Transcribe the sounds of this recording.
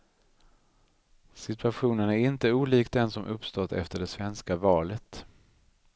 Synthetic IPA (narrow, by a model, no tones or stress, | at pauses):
sɪt̪ɵaɧuːnənæɾɪnt̪əuːliːkd̪ɛnsɔmʔɵpst̪ɔt̪ːɛ̰ft̪əɖɛsvɛnskavɑːlət̪